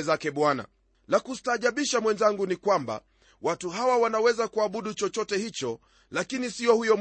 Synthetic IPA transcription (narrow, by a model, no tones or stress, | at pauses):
ɛzakɛɓwana̰ | lakustaːʄaɓiʃamwɛnzaŋɡunikwamba̰ | watuɦawawanawɛzakuaɓuɗut͡ʃɔt͡ʃɔtɛhit͡ʃɔ | lakinisiɔhujɔm